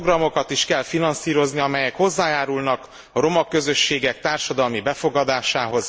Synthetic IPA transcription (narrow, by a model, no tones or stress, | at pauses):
ɡrɒmo̞kɒt̪iʃkɛlfinɒnsiːɾo̞zniɒmɛjɛkho̞zːaːjaːɾulnɒk | ɒɾo̞mɒkːø̞zø̞ʃːeːɡɛk̚t̪aːrʃɒd̪ɒlmibɛfo̞ɡɒd̪aːʃaːɦo̞z